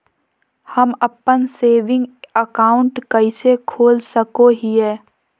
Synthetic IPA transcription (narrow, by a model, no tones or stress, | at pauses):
hɐməpːənseːʋɪ̃ŋɡəkaːʊ̃ɳʈkəɪsekʰoːlsəkoɦiɦɛː